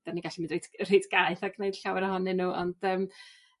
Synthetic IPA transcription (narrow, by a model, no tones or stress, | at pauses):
d̥aniɡaɬimɨndretrejtʰɡ̥aɨθaɡnejd̥ɬawɛɾəhɔnɪnuɔ̰nd̥əːm